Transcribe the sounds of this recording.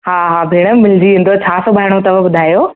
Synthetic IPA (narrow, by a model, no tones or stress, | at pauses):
haːɦabʱeːɽ̃əmɪld͡ʑiĩːnd̪ot͡ɕʰaːsobʱaːɪɽ̃õt̪ɐbəbʊd̪ʱaːjoː